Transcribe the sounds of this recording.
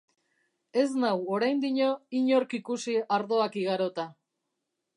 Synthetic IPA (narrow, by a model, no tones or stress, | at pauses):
e̞znawoɾajnd̪iɲo̞iɲo̞ɾkikusiaɾðo̞akiɣaɾo̞t̪a